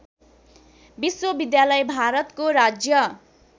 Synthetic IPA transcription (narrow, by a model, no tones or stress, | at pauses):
biswʌbid̪jalʌjbʱaɾʌt̪koɾad͡zjʌ